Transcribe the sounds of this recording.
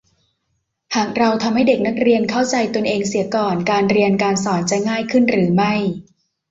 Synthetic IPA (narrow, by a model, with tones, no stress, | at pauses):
haː˨˩k̚ɾa˧wt̪ʰa˧mha˥˩jde˨˩k̚na˦˥k̚ɾi˧ənkʰa˥˩wt͡ɕa˧jt̪u˧ənʔeː˧ŋsi˩˦kɔː˨˩nkaː˧nɾi˧ənkaː˧nsɔː˩˦nt͡ɕa˨˩ŋaː˥˩jkʰɯ˥˩nɾɯː˩˦ma˥˩j